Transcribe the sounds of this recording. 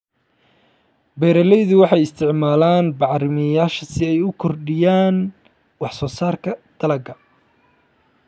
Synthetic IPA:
bɛɾɐlɛjðʊwɑħɑjɪst̪ʰɪʕmaːlaːnbɑʕɾɪmɪjaːʃɐsɪɛjʊkʰɔrɖɪjaːn | wɑħsɔːsaːrkʰɐd̪̥ɐlɐɡɐ

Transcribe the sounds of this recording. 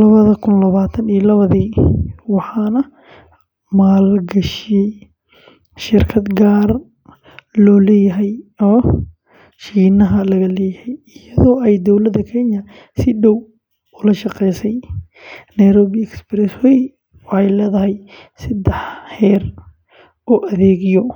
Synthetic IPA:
lɐβɐðɐkʰʊnlɐβaːt̪ʰɐniːlɐβɐðiːwɑħɑːnɐ | maːlɡɐʃɪjɛj | ʃɪrkʰɐd̪ɡaːr | lɔːlɛːjɐɦɛjɔː | ʃiːnɐɦɐlɐɣɐlɛːjɐhɛjɪjɐðɔːɛjd̪ɔwlɐd̪ɐkʰɛnjɐ | sɪɖɔw | ʊlɐʃɑqɛjsɛj | nɐjɾɔːβiɛksbɾɛsɛj | wɑħɑjlɛːðɐɦɛj | sɐd̪ɛħhɛːr | ɔːʔɐðɛːɣɪjɔ

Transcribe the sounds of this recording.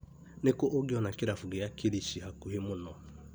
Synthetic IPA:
nekoʔoɡjɔnakiɾafuɡijakiɾiʃiɦakuɦimʊnɔ

